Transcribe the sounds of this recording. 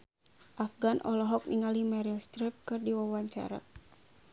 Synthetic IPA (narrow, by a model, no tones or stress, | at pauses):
ʔafɡanʔɔlɔɦɔk̚nʔiŋalimɛɾilst̪ɾip̚kɨrdiwawaɲt͡ʃa̰ɾa̰